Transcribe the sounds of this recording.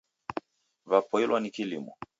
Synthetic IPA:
vapɔilwanikilimɔ

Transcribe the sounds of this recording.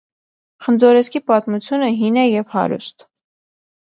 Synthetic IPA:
χənd͡zɔɾɛskipɑt̪mut͡sʰjunəɦinɛjɛvhɑ̰ɾṵst̪

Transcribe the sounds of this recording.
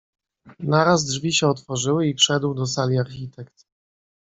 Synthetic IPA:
naɾazdʐvʲiɕɛɔt̪fɔʐɘwɘifʂɛd̪wd̪ɔsalʲiaɾxʲit̪ɛkt̪

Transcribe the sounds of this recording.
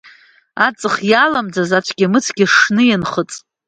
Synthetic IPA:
at͡sʼɨχjalamd͡zazat͡ʃʷʰɡʲamɨt͡sʰɡʲiʂnɨjanχət͡sʼ

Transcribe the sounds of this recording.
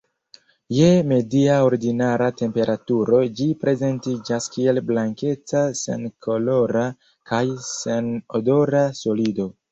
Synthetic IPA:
jeme̞diao̞ɾdinaɾate̞mpe̞ɾʔatuɾo̞d͡ʒipɾe̞ze̞ntid͡ʒaskie̞lblaŋke̞t͡sase̞̰nkʰo̞lo̞ɾa | kʰajse̞nodo̞ɾaso̞lido̞

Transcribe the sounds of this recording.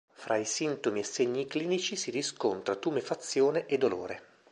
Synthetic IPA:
fɾʔaisint̪omiesːeɲːikliːnit͡ʃisiɾiskont̪ɾat̪uːmefat̪sːjoːneʔed̪ːolo̰ːɾe

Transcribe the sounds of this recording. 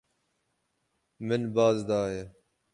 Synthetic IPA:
mɪnbaːzd̪aːɦeː

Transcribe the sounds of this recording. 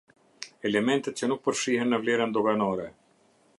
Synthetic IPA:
ɛlɛmɛnt̪ət̪t͡ɕənuk̚pəɾʃiɦɛnːəvlɛɾənd̪ɔɡanɔɾɛ

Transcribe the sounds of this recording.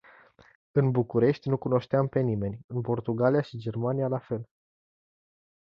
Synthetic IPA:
ɨnbukuɾe̞ʃt̪ʲnukuno̞ʃt̪eampe̞nime̞nʲɨnpo̞rt̪uɡalijaʃid͡ʒe̞rmanijalafe̞l

